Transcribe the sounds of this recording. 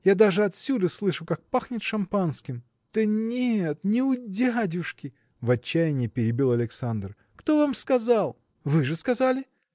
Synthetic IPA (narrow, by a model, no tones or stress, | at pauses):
jad̪aʐɨɐt̪sʲud̪əslˠɨʂʊkak̚paxnʲɪt̪ʂɐmpanskʲɪm | d̪̥ənʲet̪nʲɪʊdʲadʲʊʂkʲɪ | vɐt͡ɕːæjɪnʲɪjəpʲɪɾʲɪbʲilˠɐlʲɪksand̪r | kt̪o̞vamskɐzalˠ | vɨʐɨskɐzalʲɪ